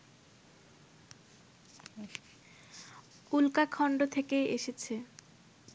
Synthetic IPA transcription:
ulkakʰɔɳɖot̪ʰekeeʃet͡ɕʰe

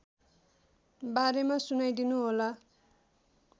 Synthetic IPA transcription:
baɾemasunajd̪inuɦola

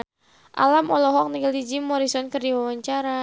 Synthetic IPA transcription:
ʔa̰lamɔlɔɦɔk̚niɡəlid͡ʒimːɔɾisɔnkərdiwawaɲt͡ʃaɾa

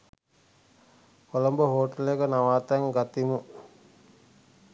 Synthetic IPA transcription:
kolombəɦoːʈəlekənaʋaːt̪aŋɡat̪imu

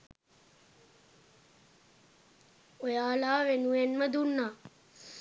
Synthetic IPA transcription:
ojaːlaːʋenuenməd̪unːaː

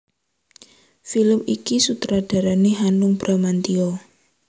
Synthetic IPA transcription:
filəmikisut̪ɾaɖ̥a̤ɾaneɦanʊŋb̥ɾamant̪iɔ

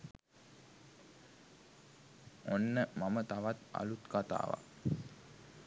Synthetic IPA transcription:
onːəmamət̪aʋat̪a̰lut̪kat̪a̰ːʋa̰

